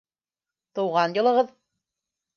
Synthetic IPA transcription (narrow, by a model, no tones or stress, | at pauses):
t̪ɤ̆wʁɑnjɤ̆lˠɤ̆ʁɤð